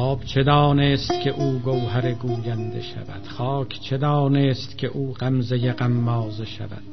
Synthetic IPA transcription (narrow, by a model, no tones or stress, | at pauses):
ɒːbt͡ʃʰed̪ɒːneːst̪kʰʲeʔuːɡowɦæɾeɡuːjænd̪ḛʃæ̰væ̰d̪̥χɒːkʰt͡ʃʰed̪ɒːneːst̪kʲʰeʔuːɢæmzejeɢæmːɒːzeʃæ̰væ̰d̪̥